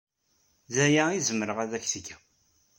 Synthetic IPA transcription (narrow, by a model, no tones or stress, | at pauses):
zæjæizəməɾəʁæðæçθəɡæ